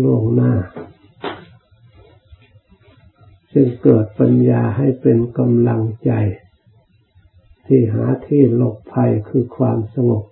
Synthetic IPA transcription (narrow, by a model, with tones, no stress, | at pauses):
lu˧˥˩əŋnaː˧˩˨ | sɯ˧ŋkɤː˨˩t̪̚pa˧njaː˧ɦa˥˩jpe˧nka˧mla˧ŋt͡ɕa˧j | t̪ʰiː˧˩ɦaː˩˦t̪ʰiː˧˨lo˧˩p̚pʰa˧jkʰɯː˧kʰwaː˧msa˧ŋo˨˩p̚